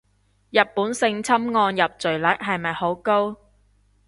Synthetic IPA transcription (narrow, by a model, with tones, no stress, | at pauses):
jɐ˨t̚pːuː˨˥nsɪ˧ŋt͡sʰɐ˥mŋɔː˧njɐ˨p̚t͡sɵ˨˩ɥlɐ˨˥k̚ɦɐ˨jmɐ˨jho˨˥wko˥w